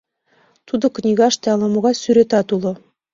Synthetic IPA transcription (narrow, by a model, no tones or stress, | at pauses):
t̪ud̪ɤ̆knʲiɡɑʃt̪æɑlˠɑmuʁɑsyɾet̪æt̪ulˠɤ̆